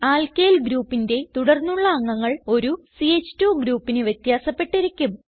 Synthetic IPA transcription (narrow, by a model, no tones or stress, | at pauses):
aːlkejlɡɾuːpːinde̞t̪uɽɐrnːuɭːɐɐŋːɐŋːɐɭo̞ɾusiet͡ɕːtːuːɡɾuːpːinɨʋjɐt̪jaːsɐpːe̞ʈːiɾikʲːum